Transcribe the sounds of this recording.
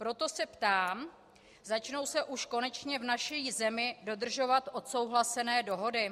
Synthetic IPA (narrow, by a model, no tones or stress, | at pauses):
pɾo̞t̪o̞sɛpt̪aːm | zat͡ʃno̞wsɛʔuʃko̞nɛt͡ʃɲɛvnaʃizɛmɪdo̞d̪r̩ʒo̞vat̪ʔo̞t̪so̞wɦlasɛnɛːdo̞ɦo̞dɪ